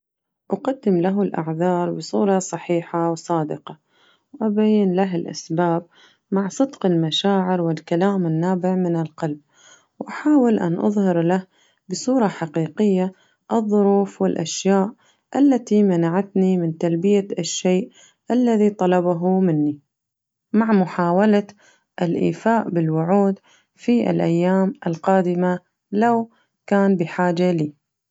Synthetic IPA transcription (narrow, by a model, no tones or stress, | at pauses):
ʔaqad̪ːɪmlaɦʊlʔa̰ʕðɑːɾˤbɨsˤuːɾˤɑsˤɑħiːħawsˤɑːd̪ɪqɑ | wʔabajːɪnlaɦɪlʔa̰sbaːb̚ | maʕsˤɨd̪qɪlmaʃaːʕɪɾwɪlkalaːmɪnːaːbɪʕmɪnɪlqɑlb̚ | wʔaħaːwɪlʔa̰nʔɑ̰ðˤhɪɾlah | bɨsˤuːɾˤɑħaqiːqɪjːa | ʔɨðˤːʊɾuːfwɪlʔa̰ʃjaːʔ | ʔalːat̪imanaʕat̪nimɪnt̪albɪjaaʃːejʔ | ʔalːaðit̪ˤɑlɑbaɦumɪnːi | maʕmʊħaːwala | ʔɪlʔḭːfaːʔbɪlwʊʕuːd̪ | fiʔɪ̰lʔajːaːmʔɪlqɑːd̪ɪma | law | kaːnbɪħaːd͡ʒaliː